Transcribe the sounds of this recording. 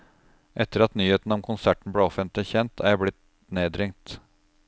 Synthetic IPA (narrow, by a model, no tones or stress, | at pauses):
ʔɛt̪ːəɾɑt̪nyːheːt̪n̩ɔmkʰʊnsæʈɳ̩bleːɔfənt̪lɪçɛnt̪ʰæ̰ɾjæɪblɪt̪ | neːd̪ɾɪŋt̪